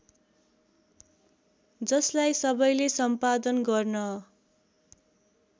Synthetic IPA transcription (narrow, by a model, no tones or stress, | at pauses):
d͡zʌslajsʌbʌjlesʌmpad̪ʌnɡʌrnʌ